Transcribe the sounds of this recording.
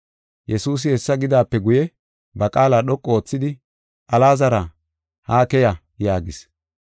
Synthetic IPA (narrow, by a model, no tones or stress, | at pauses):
jɛsuːs̬ɪhɛsːɐɡɪd̪aːpːɛɡʊjɛ | bɐkʼaːlaːɗɔkʼːo̞ːt͡sːɪd̪ɪ | ʔɐlaːzɐɾa | haːkɛjɐ | jaːɡɪs